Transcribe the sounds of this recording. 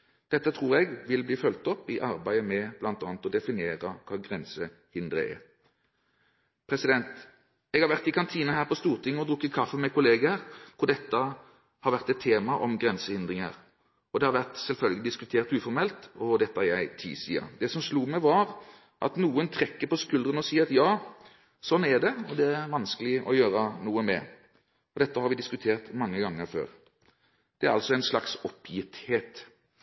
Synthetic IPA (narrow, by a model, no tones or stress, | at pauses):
d̪̥ɛt̪ːət̪ʰʁuːʁɛɡʋɪlbliːfœlt̪ɔpːɪʔɑʁbæɪəmɛb̥lɑnt̪ɑ̰ːnət̪ɔd̪ɛfɪnɪeːʁəkʰɑːɡʁɛnsəhɪnd̪ɾə̰ɛ̰ | pʰɾɛsɪd̪ɛnt̪ | ɛɡhɑɾʋæʁt̪ɪkʰɑnt̪ʰiːnɑhæːʁpɔst̪uːʁt̪ʰɪŋːɔd̪ʁʊkːəkʰɑfːəmɛkʊleːɡəəʁkʰʊʁd̪ɛt̪ːə | hɑɾʋæʁt̪ɛt̪ʰːeːmɑʔɔmɡʁɛnsəhɪnd̪ʁɪŋə̰ʁ | ɔd̪ɛhɑɾʋæʁt̪sɛlfœlɡəlɪd̪ɪskʉt̪ʰeːɾt̪ʉːfɔɾmɛlt̪ɔd̪ɛt̪ːəæɾjæɪt̪ʰḭːsḭːɑ̰d̪ɛsɔmsluːmɛʋɑɾ | ʔɑ̰t̪nuːənt̪ʰɾɛkːəpɔskʉld̪ənɔsiːəɾɑt̪jɑː | sɔnːæɖɛɔd̪ɛæɾʋɑnskəlɪɔ̰jøːɾənuːəmɛ̰ | ɔd̪ɛt̪ːəhɑɾʋɪd̪ɪskʉt̪ʰeːʁt̪mɑŋːəɡɑŋːəɾfø̰ːɾ | d̪̥ɛæɾɑ̰lsɔæɪnslɑksɔpʰjɪt̪heːt̪